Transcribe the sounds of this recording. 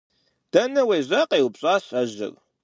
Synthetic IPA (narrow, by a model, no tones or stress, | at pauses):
d̥ɐnɐweːʑɐqʼeːwʊpɕʼaːɕʼɐʑɪ̰r